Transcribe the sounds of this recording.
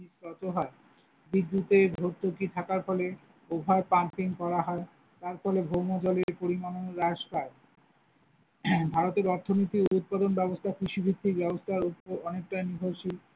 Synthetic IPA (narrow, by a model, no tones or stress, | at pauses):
istɔt̪oɦɔe | bid̪ːut̪ebʱoɾt̪okit̪ʰakaɾfɔle | obʱaepaɳpiŋkɔɾaɦɔe | t̪aɾfɔlebʱowmod͡ʑɔleɾpoɾimanonɾaʃpa | bʱaɾot̪eɾɔɾt̪ʰonit̪iout̪̚pad̪onbɛbost̪ʰakɾiʃubʱid̪ʱːikbɛbost̪ʰaɾuɔnek̚ʈajniɦoɾʃi